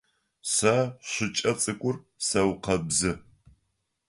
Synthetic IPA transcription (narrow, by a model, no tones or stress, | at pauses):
saɕʷɪt͡ʃʼɐt͡sʼɨkʷʼʊr | sɐwqɐbzɨ